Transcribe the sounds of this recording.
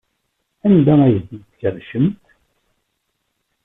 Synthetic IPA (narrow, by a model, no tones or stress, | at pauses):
ænd̪ææjəðəçərʃəmt̪